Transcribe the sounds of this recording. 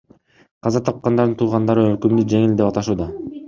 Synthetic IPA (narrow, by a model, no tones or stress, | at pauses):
qʰɑzɑt̪ʰɑp̚qɑnd̪ɑɾd̪ɯnt̪ʰuːʁɑnd̪ɑɾøɾkymd̪yd͡ʒe̞ŋild̪e̞pɑt̪ɑʃuːd̪ɑ